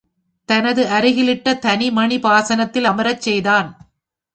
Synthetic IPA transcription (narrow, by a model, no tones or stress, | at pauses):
t̪ɐnɐðɯʔɐɾɪɣɪlɪʈːɐt̪ɐnimɐɳipaːsɐnɐt̪ːɪlɐmɐɾɐt͡ʃːɛjðaːn